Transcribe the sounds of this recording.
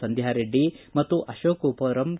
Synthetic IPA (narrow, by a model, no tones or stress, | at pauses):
sɐnd̪ʱjaːɾeɖːimɐt̪ːuʔɐʃoːkupoːɾɐm